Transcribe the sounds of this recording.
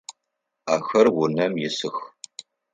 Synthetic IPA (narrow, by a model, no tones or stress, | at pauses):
aːxɐrwʊnɐmjɪsɨx